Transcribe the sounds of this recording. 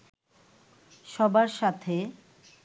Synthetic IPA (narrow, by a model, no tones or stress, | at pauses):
ʃɔbaɾʃat̪ʰe